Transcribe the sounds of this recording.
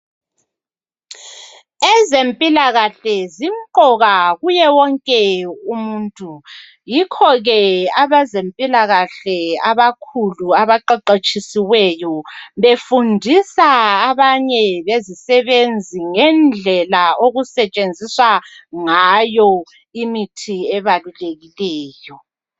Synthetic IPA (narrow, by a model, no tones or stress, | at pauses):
ɛzempʼilaɣaɬɛzim̩ǃɔɣaɣujɛwɔŋkʼɛumuːntʼu | jikʰɔɣɛaβazempʼilaɣaɬɛaβakʰuluaβaǃaǃet͡ʃʼisiwɛjɔβefundʱisaːβaɲɛβezisɛβend͡zʱiŋɛnd͡ɮʱɛlaoɣusɛt͡ʃʼend͡zʱiswaŋajɔ | imitʰiɛβaluleɣilɛːjɔ